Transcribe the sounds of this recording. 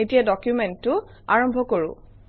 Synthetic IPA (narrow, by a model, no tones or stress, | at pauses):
etijadɔkjumɛntːʊ | aɹɔmbʱɔkoɹʊ̰̃